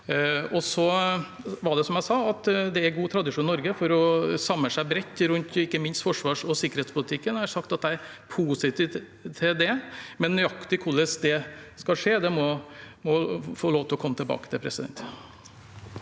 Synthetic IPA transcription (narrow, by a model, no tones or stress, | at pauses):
ɔsɔ | ʋɑɖɛsɔmjæɪsɑːɑt̪d̪ɛæɾɡuːt̪ʰɾɑd̪ɪʂuːnnɔɾɡəfɔɾɔsɑmːəsæɪbɾɛt̪ːɾʉnt̪ɪkːəmɪnst̪fɔʂʋɑːʂɔsɪkːəɾeːt̪spʊlɪt̪ʰɪkːənæʂɑkt̪ɑt̪̚d̪æɪæɾpʰuːsɪt̪ʰi | t̪ʰɪld̪ɛmɛnːʏɑkt̪ɪkʰʊlːəsd̪ɛskɑʂeːd̪ɛmɔ | mɔfoːloːʋt̪ʰɪlɔkʰɔmːət̪ɪlbɑ̰ːkət̪ʰɪlpʰɾɛsɪd̪ɛ̰nt̪